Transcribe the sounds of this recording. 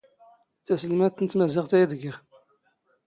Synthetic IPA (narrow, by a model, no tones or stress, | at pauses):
θæsəlmæθənt̪ːmæzɪʁθæjæðɡə